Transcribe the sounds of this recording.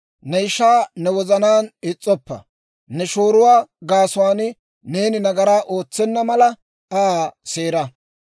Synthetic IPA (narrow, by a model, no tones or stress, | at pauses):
nɛɪʃaːnɛwɔzɐnaːnɪt͡sʼːɔpːɐ̰ | nɛʃo̞ːɾʊwaːɡaːsʊwaːnɪ | ne̞ːnɪnɐɡɐɾaːʔo̞ːt͡sːɛnːɐmɐlɐ | ase̞ːɾɐ